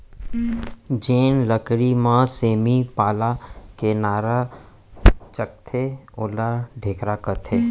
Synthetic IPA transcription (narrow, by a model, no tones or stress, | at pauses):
d͡ʒeːnləkɽimãseːmipaːlakenaːɾa | t͡ʃək̚t̪ʰeʊlaɖʱeːkɾakət̪ʰeː